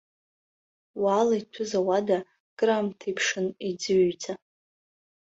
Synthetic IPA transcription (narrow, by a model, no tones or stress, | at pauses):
waːlaitʷʰʊzawada | ɡ̥ʼramtʰipʰʂɨnid͡zɨɥd͡za